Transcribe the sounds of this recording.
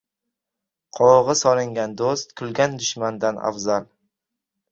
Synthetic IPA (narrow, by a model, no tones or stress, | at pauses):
qʰɒʁɨsɒlɪŋɡʲand̪ost̪kʰʊlɡʲand̪ʊʃmand̪ana̰fzal